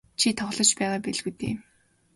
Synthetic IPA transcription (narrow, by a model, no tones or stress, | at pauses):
t͡ɕʰit̪ʰɔχɮɞ̆t͡ɕpæːʁaːpeɮɣut̪ḛː